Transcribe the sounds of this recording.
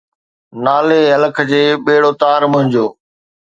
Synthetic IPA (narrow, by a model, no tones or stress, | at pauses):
naːleːɐləkʰd͡ʑeːɓeːɽoːt̪aːɾmʊɦɪ̃d͡ʑoː